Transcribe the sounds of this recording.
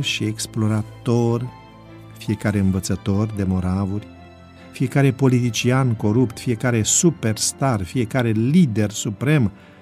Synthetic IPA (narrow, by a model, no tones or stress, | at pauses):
ʃieksplo̞ɾat̪o̞r | fije̞kaɾe̞ɨnvət̪sət̪o̞rd̪e̞mo̞ɾavurʲ | fije̞kaɾe̞po̞lit̪it͡ʃianko̞ɾupt̪fije̞kaɾe̞supe̞rst̪arfije̞kaɾe̞lid̪e̞rsupɾe̞m